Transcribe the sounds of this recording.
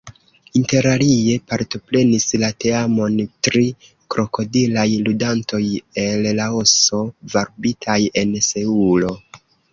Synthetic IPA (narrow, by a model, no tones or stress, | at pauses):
inte̞ɾalie̞paɾto̞pɾe̞nislate̞amo̞ntɾi | kɾo̞ko̞dilajludanto̞je̞llao̞so̞vaɾbitʰaje̞nse̞ulo̞